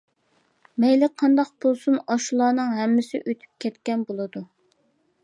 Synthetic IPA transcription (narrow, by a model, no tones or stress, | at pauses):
mɛjlɪqʰːɑnd̪ɑq̚bolˠsunɑʃulˠɑːnɨŋɦɛmːɪsɪʔøt̪ʰy̥p̚kʲʰɛt̪kʲɛnbolˠɨd̪u